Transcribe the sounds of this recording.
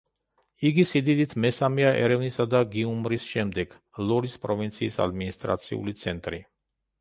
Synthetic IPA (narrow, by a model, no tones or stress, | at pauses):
iɡisid̪id̪it̪ʰmɛsamiaʔɛ̰ɾɛvnisad̪aɡiumɾisʃɛmd̪ɛɡ̥ | lˠɔɾispʼɾɔvint̪sʰiːsa̰d̪minist̪ʼɾa̰t̪sʰḭṵlit̪sʰɛnt̪ʼɾi